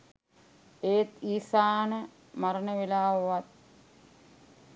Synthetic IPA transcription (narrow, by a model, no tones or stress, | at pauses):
eːt̪iːsaːnə | maɾənəʋelaːʋʋat̪̚